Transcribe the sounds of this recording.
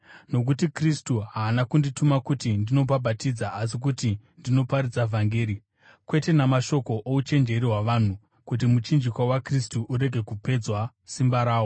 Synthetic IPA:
no̞k̬utikristuɦaːnakunditumakutindino̞bʱabʱatid͡zaʔasik̬uti | ndino̞paɾid͡zavʱaŋɡe̞ːɾi | kwe̞te̞namaʃo̞ko̞ʔout͡ʃe̞nd͡ʒe̞ɾiɦwaʋan̤u | kut̬imut͡ʃind͡ʒikwawakristuʔuɾe̞ɡʱe̞kupe̞d͡zwa | simbaɾaːwo

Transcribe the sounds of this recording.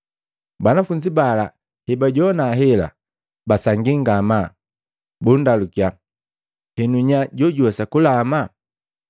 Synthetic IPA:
banafuɲd͡ʒibala | hɛbaɟɔnaɦɛla̰ | basaŋɡiŋɡama | bundalukija | hɛnuɲaɟɔɟwɛsakulama

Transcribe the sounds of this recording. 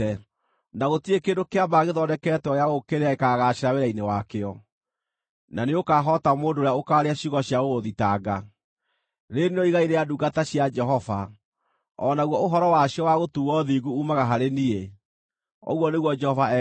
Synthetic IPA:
naɣotiekendokeabaɣeðɔdɛkɛːtɔjaɣokeɾeaekaɣaɕeɾaweɾainewakeɔ | naneokaːɦɔtamoːndoːɾeaokaːɾeaɕiɣɔɕjaɣoɣoðitaɡa | ɾeneɔiɣaiɾeaduɡataɕjad͡ʒɛɦɔva | ɔnaɣwɔoɦɔɾɔwaɕiɔwaɣotuɣwɔðiɡuumaɣaɦaɾenie | ɔ̰ɣwɔneɣwɔd͡ʒɛhɔvaɛ

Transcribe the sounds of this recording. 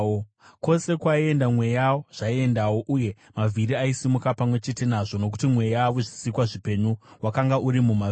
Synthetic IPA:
kwo̞se̞kwaie̞ndamwe̞jawo̞ʐ̥aie̞ndawo̞ʔuje̞ | mavʱiɾiaisimukapamwe̞t͡ʃe̞te̞naʐo̞no̞k̬u̥timwe̞jaʋoʐisikwaʐipe̞ɲuwakaŋɡaʔuɾimuma

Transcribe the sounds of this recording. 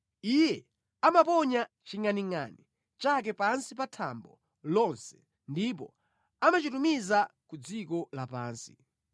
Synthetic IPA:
ijɛ | amapɔɲa | t͡ʃiŋaniŋa̰ni | t͡ʃak̬ɛpansipatʰa̰mbɔ | lɔnsɛ̥ | ndip̬ɔ̰ | amat͡ʃitumizakud͡zikɔlapaːnsi̥̰

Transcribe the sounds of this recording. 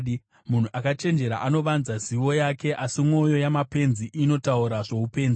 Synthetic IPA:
mun̤uʔakat͡ʃe̞nd͡ʒe̞ɾa̰ʔano̞ʋanzaziwo̞jake̞ʔasimwo̞jo̞jamape̞nziʔino̞tauɾaʐe̞upe̞ːnzi

